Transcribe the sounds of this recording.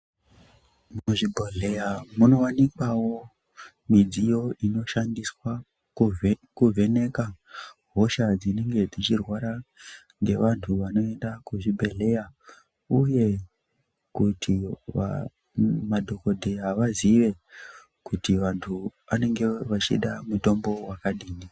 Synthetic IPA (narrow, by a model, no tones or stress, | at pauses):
muoʐibʱoɮejamuno̞ʋanikawo̞ | mid͡zijo̞ino̞ʃandiswa | kuvʱe̞ne̞kaɦo̞ʃad͡zine̞ŋɡe̞d͡zit͡ʃirwaɾa | ŋɡe̞ʋantʰuʋano̞endakuʐibʱe̞le̞ja | uje̞ | kutʰia̰ | madʱo̞ko̞dʱeɦaʋaziʋe̞ | kutiʋantʰuʋane̞ŋɡe̞ʋat͡ʃḭɗamuto̞mbo̞wakaɗiːni